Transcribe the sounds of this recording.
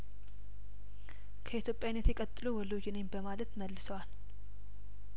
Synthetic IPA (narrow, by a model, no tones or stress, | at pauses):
kʰəʔit̪jo̞pʼjawinːət̪jɛkʼət̪ʼːɨluwɔlod͡ʒɪnenbəmalət̪məlːɨsəwal